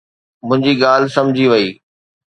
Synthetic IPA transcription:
mʊ̃ɦɪ̃ɲd͡ʑiɠaːl̤sɐmd͡ʑʱiʋɐiː

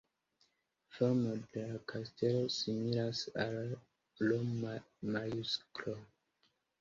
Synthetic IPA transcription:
foɾmode̞lakʰaste̞lo̞similasalː | o | majusklo

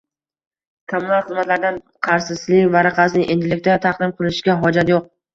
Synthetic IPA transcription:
kʰomːunalˠχɨzmat̪laɾd̪an | qʰɑɾsɪslɪkʲvaɾɑqʰɑsɪnɪʔend̪ɪlɪk̚ʲt̪at̪ʰaqd̪ɪmqʰɨlˠɪʃɡʲaɦɒd͡ʒat̪joq̚

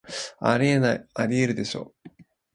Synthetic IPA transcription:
a̰ɾʲienaiaɾʲieɾɯ̟d̪e̞ɕo̞̰ː

